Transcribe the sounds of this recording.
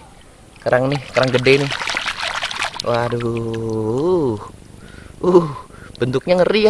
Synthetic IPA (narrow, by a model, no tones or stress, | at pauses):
kaɾaŋnɪhkaɾaŋɡədɛnɪh | wʔadu | uh | b̥ənt̪ʊk̚ɲaŋəria